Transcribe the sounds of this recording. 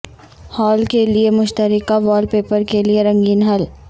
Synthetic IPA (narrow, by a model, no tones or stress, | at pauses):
hɔːlkeliemʊʃt̪əɾɪkaʋɔːlpeːpəɾkelieɾɐ̃ŋɡiːnɦɐl